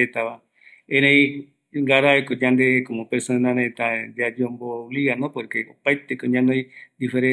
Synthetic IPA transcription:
et̪aβa | eɾẽj | ŋɡaɾaekod͡ʒand̪ekomopeɾsonẽnãneet̪and̪ead͡ʒeomboβliɣanopoɾkeopajt̪ekoɲãnõj̃d̪ifeɾẽ

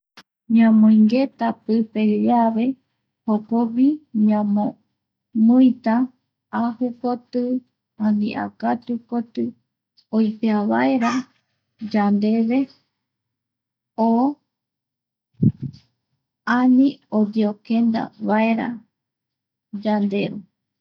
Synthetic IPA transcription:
ɲãmõĩŋɡe̞t̪apɨpe̞aβe̞ | hopoβiɲãmõ | mujt̪a | ahɨkot̪ɨ | ãnḭ̃ʔa̰kat̪ukot̪ɨ | ojpeaβaeɾa | d͡ʒand̪e̞βe̞ | o | anĩobiokẽnd̪a̰βae̞ɾa̰ | d͡ʒand̪e̞ɾu

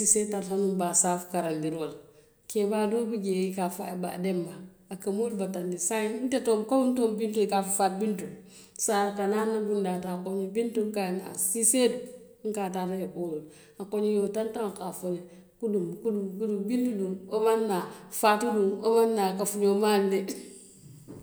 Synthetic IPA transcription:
sisetːathanubasafkaɾandiɾwol | kebadubid͡ʒeikafa̰ba̰dembaː | kamolbatandisantetomkauntombintuikafufat̚bintu | saɾkananːabundatakoɲibintuŋkana̰siset̚ | ŋ̩katatajiboul | akoɲijotantakafune | kudumkudumkudubintudunomanːafatudunomanːakafuɲomaldi

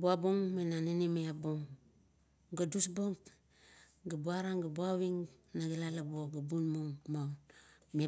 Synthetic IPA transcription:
buaboŋmenaninimeaboŋ | ɡadusboŋ | ɡabuaɾaŋɡabuawiŋ | naɡilalaboɡabunmoŋmawme

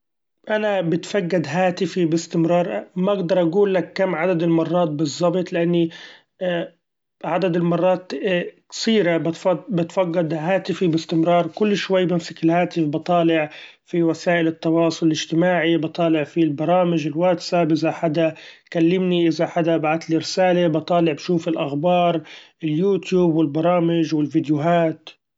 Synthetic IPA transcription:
ʔanabɪt̪faɡːad̪ɦaːt̪ɪfibɪst̪ɪmɾˤɑːɾˤmaʔaɡd̪ɑɾˤʔaɡuːlːakːamːʕad̪ad̪ɪlmɑrˤːɑːt̪̚bɨzˤːɑbɨt̪ˤlɪʔanːi | ʕad̪ad̪ɪlmɑrˤːɑːt̪ksiːɾab̪bɪt̪faɡːad̪ɦaːt̪ɪfibɪst̪ɪmɾˤɑːɾˤkʊlːʃwajːbɪmsḁkɪlhaːt̪ɪfbɨt̪ˤɑːlɪʕ | fiwasaːʔɪlɪt̪ːɑwɑːsˤʊlɪlɪʒt̪ɪmaːʕibt̪ˤɑːlɪʕfilbɑɾˤɑːmɪʒɪlwaːt̪sabʔɪzaħad̪akalːɪmniʔɪzaħad̪abaʕat̪liɾɪsaːlebɑt̪ˤɑːlɪʕbʃuːfɪlʔaxbɑːɾˤ | ɪljuːt̪juːbwɪlbɑɾˤɑːmɪʒwɪlvɪd̪jʊɦaːt̪

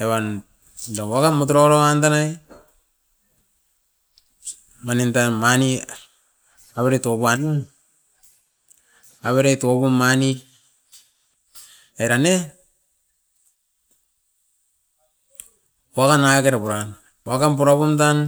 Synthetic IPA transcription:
eβan | dawakanmotuɾoɾoantanaj | manentanmani | aβeɾetobuanu | aβeɾetopumani | ajɾane | wakanakeɾapuɾan | wakanp̬uɾapumtan

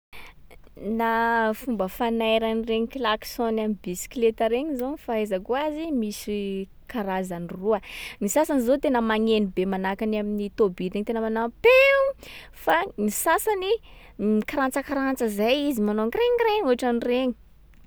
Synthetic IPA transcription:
nafumbəfanajɾanireɲikilaki̥sonamibisi̥klet̪aɾeɲizofaezakuazimisi | kaɾazaniruənisasanizot̪enəmaɲenibemanakanaminit̪obiɾeɲit̪enəmanapeu | fanisasani | ikaɾant͡səkaɾant͡səzajizimanoaŋreɲreɲuɦaʈ͡ʂanireɲi̥

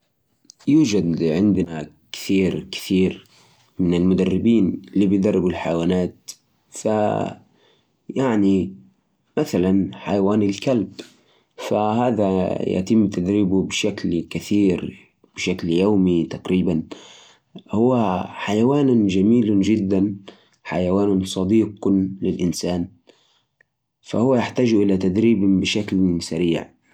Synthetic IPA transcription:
juːd͡ʒad̪ʕɪnd̪na | kɪ̥θiːɾkɪ̥θiːɾ | mɪnɪlmʊd̪arːɪbiːnliːbɪjd̪ɑrˤːɪbʊlħajawaːnaːt̪ | fa | jaʕni | maθalanħajawaːnɪlkalb | fahaːðaja̰t̪ɪmːt̪ad̪ɾiːbubɪʃaklkaθiːɾ | b̥ɪʃakljawmit̪aqɾiːban | hʊwːaħajawaːnd͡ʒamiːld͡ʒɪd̪ːan | ħa̰jawaːnʊnsˤɑd̪iːqlɪlʔɪnsaːn | fa̰hʊwːajaħt̪aːʒʔɪlat̪ad̪ɾiːbbɪʃaklsaɾiːʕ

